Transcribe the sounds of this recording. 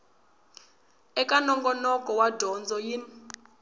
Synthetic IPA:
ɛkʼanɔŋɡɔnɔkʼɔwadʱɔnd͡zɔjin

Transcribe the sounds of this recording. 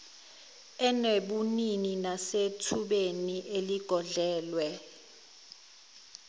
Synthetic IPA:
ɛneɓunininasetʰuɓeniʔeliɡ̥ʱɔɮɛːlwɛ

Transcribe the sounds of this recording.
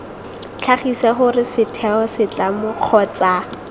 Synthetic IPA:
t͡ɬʰaχisɛχʊrɪsɪtʰɛɔsɪt͡ɬamʊq͡χʰɔt͡sa

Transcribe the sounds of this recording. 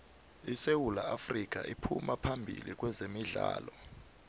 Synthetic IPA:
isewulaafrik̬a̰ʔipʰṵmapʰambʱḭlik̬ʼwɛzemiɮaːlɔ

